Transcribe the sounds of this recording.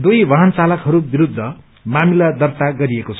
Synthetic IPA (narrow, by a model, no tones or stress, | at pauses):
d̪ujʋʌɦʌnt͡salʌkɦʌɾubiɾud̪ʱːʌ | mamilad̪ʌrt̪aɡʌɾiekot͡sʰʌ